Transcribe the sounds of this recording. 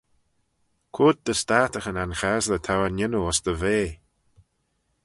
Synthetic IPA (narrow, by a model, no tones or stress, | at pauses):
kʰʊd̪̚d̪əst̪aːt̪əxənanxazlət̪ʰawanɪnuɔsd̪əveː